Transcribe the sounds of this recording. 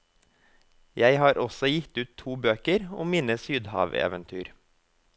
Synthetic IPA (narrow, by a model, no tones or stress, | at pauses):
jæɪhɑːɾʔɔsɔjɪt̪ʉːt̪ʰuːbøːkəɾʊmmiːnəsyːd̪hɑ̰ːʋḛːʋənt̪ʰyːɾ